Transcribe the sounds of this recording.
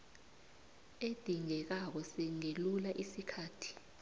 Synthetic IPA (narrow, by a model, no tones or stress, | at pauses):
ed̥ʱiŋɛk̬ak̬ɔsɛŋelulaʔisikʰaːtʰi̥